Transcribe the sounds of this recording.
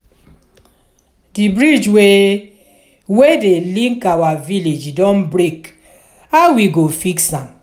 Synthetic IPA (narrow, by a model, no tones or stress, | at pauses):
dibɹid͡ʒwe | wedelĩŋkawaviled͡ʒdɔ̃nbɾek | awiɡofiksãm